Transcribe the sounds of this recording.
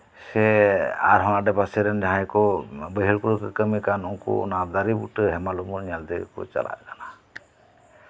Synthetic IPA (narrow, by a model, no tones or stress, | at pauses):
sɛa̰ɾɦɔnadɛpasɛɾɛnd͡ʒaɦajkɔbəɦiɾkuɾukəkəmikanɔŋkṵnad̪aɾibṵʈəɦɛmalumuɾɲald̪ikɔ̰t͡ʃa̰la̰tkana